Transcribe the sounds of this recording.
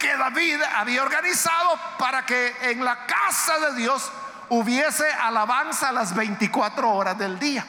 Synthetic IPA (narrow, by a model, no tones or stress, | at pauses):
keðaβiðaβiaoɾɣanisaðo̞paɾakeːŋlakasaðe̞ðjo̞s | uβje̞se̞ʔalaβansalazβe̞jnt̪ikwat̪ɾo̞oɾazðe̞ld̪ia